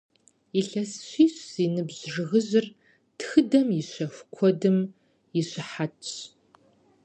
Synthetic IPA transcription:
iɬɐsɕʷiːɕz̥iːnɨbʑʐɨɣɨʑɪr | txɨdɐmjɪɕʷɐfʷkʷʰɔdɨm | jɪɕɪħatʰɕ

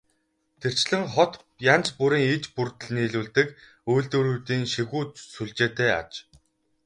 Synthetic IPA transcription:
t̪ʰer̥t͡ɕɮɘ̆ŋχɔt̪ | jant͡ɕpuɾiːŋit͡ɕpurt̪ə̆ɮniːɮuːɮt̪ɘ̆k | ujɮt̪ŭɾuːt̪iːŋʃiɣuːt̪suɮt͡ɕeːt̪eːa̰t͡ɕ

